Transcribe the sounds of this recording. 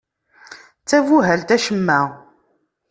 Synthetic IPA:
t͡sːævuɦælt̪æʃəmːæ

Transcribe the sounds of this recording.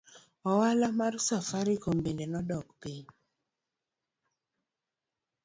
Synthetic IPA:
ɔwalamarsafaɾikombendenɔdɔkpiɲ

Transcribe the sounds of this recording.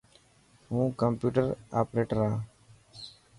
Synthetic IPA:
ɦũːkəmpjuːʈəɾaːpɾeːʈəɾaː

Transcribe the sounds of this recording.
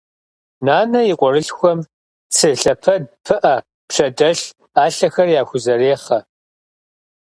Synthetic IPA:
naːnɐjɪqʷʼɔɾɨɬxʷɔm | t͡sʰɨɬɐpʰɐdpʰɨʔɐ | pʂɐdɐɬ | aːɬɐxɐrjaːxʷʊzɐɾeːχɐ

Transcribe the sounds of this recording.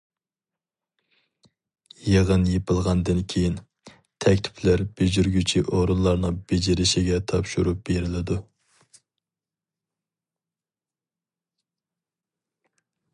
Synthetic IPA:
jeʁənjepʰɨlˠʁɑnd̪ɨnkʲʰejin | t̪ʰɛkʲt̪ʰɪ̥pʰlæɾb̥ed͡ʒyɾɡʲyt͡ʃʰiʔoɾunlˠɑɾnɨŋbed͡ʒɪɾɪʃɪɡʲɛt̪ʰɑpʃuɾup̚b̥eɾɪlɪd̪u

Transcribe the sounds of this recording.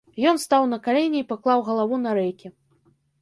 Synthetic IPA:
jɔnst̪awnɐkalʲenʲɛipaklˠawɣɐlˠavunɐɾɛjkʲi

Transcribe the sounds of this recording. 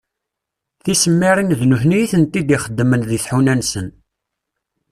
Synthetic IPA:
θisəmːiɾˤinðnuθnijiθənt̪ːid̪iχəd̪ːmənðiθħunænsən

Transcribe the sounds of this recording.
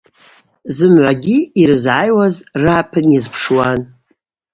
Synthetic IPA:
zɨmʕʷaɡʲiiɾɨzʕajwazrapʰɨnjazpʰʂwan

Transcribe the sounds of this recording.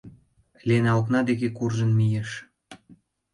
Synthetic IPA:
lʲenɑlknɑd̪ekekurʒə̆nmijeʃ

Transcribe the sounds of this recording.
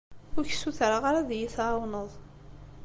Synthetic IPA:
ʊɾçsuθɾaʁaɾaðjiθwnəðˤ

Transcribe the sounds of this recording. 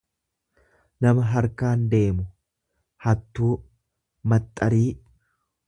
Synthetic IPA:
nɐmɐɦɐɾkaːnd̪e̞ːmʊ | hɐt̪ːuː | mɐt̪ʼːɐɾiː

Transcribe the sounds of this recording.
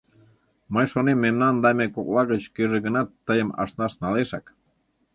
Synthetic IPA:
məjʃonemːemnɑnd̪ɑmʲekoklɑɣət͡ɕkøʒeɣənɑt̪ːəjəmɑ̰ʃnɑʃnɑleʃɑk

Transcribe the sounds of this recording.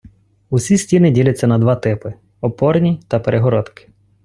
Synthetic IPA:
usʲisʲtʲinɪdʲilʲɐt͡sʲːɐnɐd̪ʋɑt̪ɪpɪ | ɔpɔrnʲit̪ɐpeɾʔeɦɔɾɔt̪kɪ̥

